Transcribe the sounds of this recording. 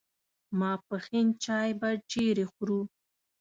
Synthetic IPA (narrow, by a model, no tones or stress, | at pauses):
mɑːpəxint͡ʃɑːjbaɖeɾexɾu